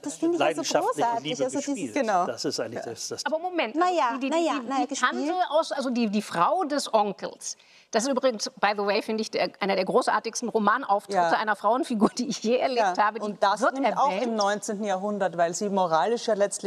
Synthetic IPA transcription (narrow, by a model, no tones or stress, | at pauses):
d̥assfɪndɪlaaaoːsaɐtiɡ̥ənaʊdasɪstʔaɪlḁasaːbɐmomɛntnajaidinjaahandl̩ʔaʊsʔalzodiːdiːfʁ̥aʊdɛsʔɔŋkl̩s | d̥asɪstyːbʁɪɡŋ̩sb̥aɪðəweɪfɪndəɪçd̥eːɐʔaɪnɐdeːɐɡʁoːsʔa̰ːɐtɪçstn̩ʁomaːnʔaʊftʁ̥ɪtəʔa̰ɪnɐfʁ̥aʊənfiɡuːɐd̥iːɪçjeːɛɐleːpːthaːbədʊintd̥asvɪɐtnɪmɛɐaʊɛːɪmnɔʏnt͡sentn̩jaːɐɦʊndɐtvaɪlziːmoʁaːlɪʃjaːlɛt͡stl